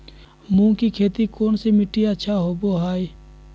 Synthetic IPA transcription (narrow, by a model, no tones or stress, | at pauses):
mũːkikʰeːt̪ikoːnsemɪʈiətːʃʰaɦoboːɦaːi